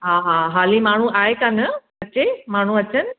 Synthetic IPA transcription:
ɦaːɦãɦaːlimaːɳ̤ũʔaːɦekaːnə | ɐt͡ɕemaːɳ̤ũɐt͡ɕən̆

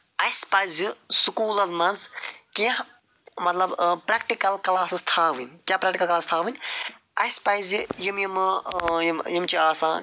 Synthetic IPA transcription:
ɐjspɐjzisukuːlɐlmɐnzkeɦ | mɐt̪lɐbpɾɐkʈikɐlklaːsɨst̪ʰaːʋɨnʲkjapɾɐːkʈikɐlkɐlaːst̪ʰaːʋɨnʲ | ɐjspɐjzijimjimjmjimt͡ʃiaːsãː

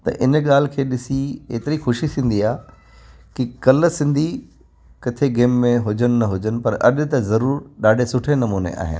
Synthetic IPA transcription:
t̪ɐ̰ʔɪnɠaːl̤kʰeːɗɪsieːt̪ɪɾixʊʃisĩːn̆d̪iaː | kikɐlsɪ̃nd̪ʱi | kɐt̪ʰeɡeːmːẽɦʊd͡ʑənɪ̆nɐɦʊd͡ʑənɪ̆pɐɾɐ̰ɗ̆t̪ɐzɐɾuːɾɗaːɖʱesʊʈʰenɐmuːnḛʔa̰ːɦɪ̰n

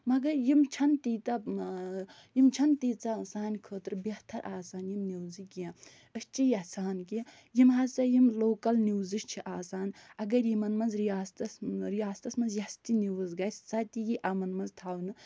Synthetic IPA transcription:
mɐɡɐɾjimt͡ʃʰɐnt̪iːt̪ɐ | jimt͡ʃʰɐnt̪iːt͡sɐsaːnkʰəːt̪ɾɨbɐht̪ʰɐɾʔaːsaːnjimniwzɨkijã | ɨst͡ʃʰijɐsʰaːnki | jimɦɐt͡sɐjimloːkɐlniwzɨʃt͡ʃʰiʔaːsaːnʲɐɡɐɾjimɐnmɐnzɾijaːst̪ɐsɾijaːst̪ɐsmɐnzjɐst̪ʲiniwɨzɡɐjssɐt̪ijiʔɐmɐnmɐnzt̪ʰaːwnɨ

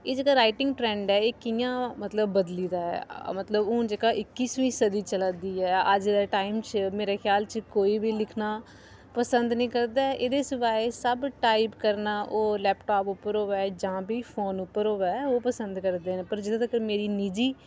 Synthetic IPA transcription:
eːd͡ʒeːkaːɾaːɪʈɪ̃ŋɡʈɾɛ̃ːɳɖɛːeːkɪjãːmət̪ləbːəd̪liːd̪aːɦɛ̰ːmət̪ləbũːd͡ʒeːkaːʔɪkːiːsʋĩːsəd̪iːt͡ʃəlad̪iːɛːəd͡ʒd̪aːʈaːɪmt͡ʃmeːɾeːkʰjaːlt͡ʃkoːiːbiːlɪkʰnaː | pəsə̃nd̪nĩːkəɾd̪aːʔeːd̪eːsɪʋaːesəbʈaːɪpkəɾnaːʔoːlɛːpʈaːpʊpːəɾoːʋɛːd͡ʒãːbiːfʰoːnʊpːəɾɦoːʋɛːoːpəsənd̪kəɾd̪eːnẽːpəɾd͡ʒɪd̪ãːt̪əkəɾmeːɾiːnɪd͡ʒiː

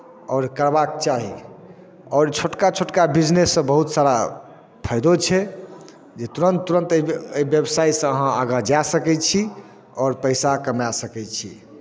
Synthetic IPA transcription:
ɔːɾkəɾbak̚t͡ʃaɦi | ɔːɾt͡ʃʰoʈkat͡ʃʰoʈkabid͡ʒnesːə̃bəɦut̪saɾa | pʰəjd̪ot͡ʃʰɛ | d͡ʒet̪uɾənt̪ːuɾənt̪əiəibjəbsaisə̃əɦãaɡad͡ʒasəkɛt͡ʃʰi | ɔːɾpəɪsakəmjasəkɛt͡ʃʰḭ

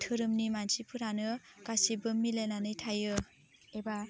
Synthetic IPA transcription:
tʰɯɾɯmnimansipʰɯɾanɯkasibɯmːilenanɯjtʰajɯ | eba

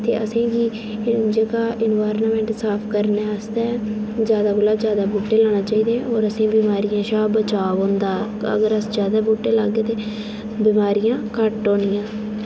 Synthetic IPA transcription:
t̪ḛːʔəsĩːɡiː | d͡ʒeːkaːʔɪnʋaːɾnːmɛ̃ːɳʈsaːpʰkəɾneːəst̪ɛːd͡ʒjaːd̪aːbʊlaːzjaːd̪aːbuːʈːeːlaːɽ̃aːt͡ʃaːiːd̪ẽːɔːɾəsĩːbiːmaːɾijãːʃaːbət͡ʃaːʋõːnd̪aːə̰ɡəɾəsd͡ʒjaːd̪aːbuːʈːeːlaɡːeːt̪eː | biːmaːɾijãːkəʈːõːnɪjãː

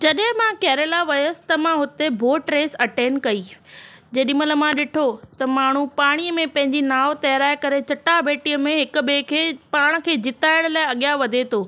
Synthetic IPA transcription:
d͡ʑɐɗɦɪ̃mãkɛːɾelaʋɐjəsɪ̥̆t̪ɐmãɦʊt̪ebʱoːʈɾeːsɐʈeːnkɐiːd͡ʑeːɗɪmələ̆mãɗɪʈʰot̪ɐmaːɳ̤upaːɽ̃iəmẽpɐ̃ɦɪ̃ɲd͡ʑinaːʋt̪ɐɦɾaːɪkɐɾet͡ɕɐʈabeːʈijəmẽɦɪkʊ̆beːkʰeːpaːɽ̃ə̆kʰeːd͡ʑɪt̪aːɪɽ̃laːɪɐɠjaʋɐd̪ʱet̪ʰoː

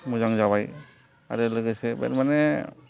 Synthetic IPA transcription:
mɔd͡ʒaŋd͡ʒabaj | a̰ɾɛləɡəsɛbɛ̰ɾmanɛ

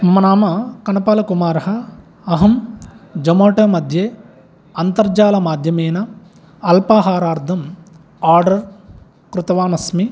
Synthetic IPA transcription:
mɐnaːmɐkɐnɐpɐːlɐkumaːɾɐɦɐ | ɐɦɐmd͡ʒɐmoːʈɐːmɐd̪ʱjeː | ɐnt̪ɐɾd͡ʒaːlɐmaːd̪ʱjɐmeːnɐ | ɐlpaːɦaːɾaːɾd̪ʱɐm | aːɾɖɐɾ | kɾut̪ɐʋaːnɐsmi

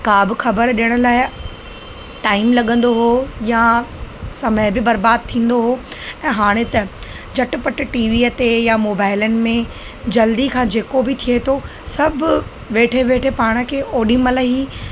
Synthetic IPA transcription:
kaːbɪxɐbəɾɗijəɽ̃ʊ̆laːɪ | ʈaːɪmlɐɠə̃nd̪oɦoja | sɐməɦɪbɪbɐɾbaːd̪̚t̪ʰĩːn̆d̪oɦoːɛ̃ːɦaːɽ̃et̪ɐ | d͡ʑɐʈpɐʈʈiːʋiːət̪ejamoːbaːɪlənɪ̆mẽ | d͡ʑɐld̪ikʰãːd͡ʑeːkobɪt̪ʰiet̪ʰo | sɐbʱʊ | ʋeːʈʰeʋeːʈʰepaːɽ̃ə̆kʰeːʔoːɗĩmɐləɦiː

